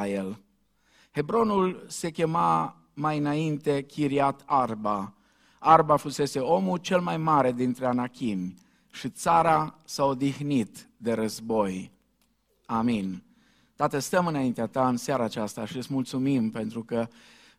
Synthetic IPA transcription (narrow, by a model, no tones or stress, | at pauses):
jel | he̞bɾo̞nulse̞kʲe̞ma | majɨnaint̪e̞kʲiɾiat̪arba | arbafuse̞se̞o̞mut͡ʃe̞lmajmaɾe̞d̪int̪ɾeanakʲimʲ | ʃit̪saɾasaod̪ixnit̪ | d̪e̞ɾəzbo̞j | amin | t̪at̪əst̪əmɨnaint̪eat̪aɨnseaɾaːt͡ʃast̪aʃiɨtsʲmult̪sumimpe̞nt̪ɾukə